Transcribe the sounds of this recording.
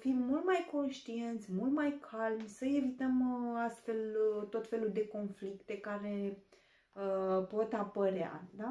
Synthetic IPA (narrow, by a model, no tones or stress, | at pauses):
fimːult̪majko̞nʃt̪ie̞nt̪sʲmult̪majkʰalmʲsəe̞vit̪əmast̪fe̞lt̪o̞t̪fe̞luld̪e̞ko̞nflikt̪e̞kaɾe̞ | əpo̞t̪apəɾea̰d̪a